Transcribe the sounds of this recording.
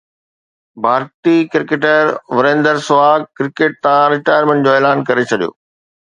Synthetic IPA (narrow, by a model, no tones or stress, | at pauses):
bʱaːɾt̪ikɾɪkeːʈəɾʋɐɾẽːnd̪əɾsʊaːkɾɪkeːʈ̚t̪ãɾɪʈaːjəɾmẽɳʈd͡ʑoːeːlaːnkɐɾet͡ɕʰɐɗijo̰ː